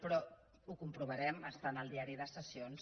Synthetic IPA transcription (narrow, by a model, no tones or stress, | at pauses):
pɾɔ | ukumpɾuβ̞əɾɛməst̪anəlˠd̪iaɾiðəsəsions